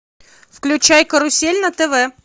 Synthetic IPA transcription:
fklʲʉt͡ɕæjkəɾʊsʲelʲnət̪ɛvɛ

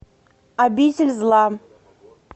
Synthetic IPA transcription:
abʲitʲɪlʲzlˠɑ

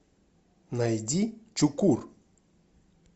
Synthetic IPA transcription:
najdʲit͡ʃukur

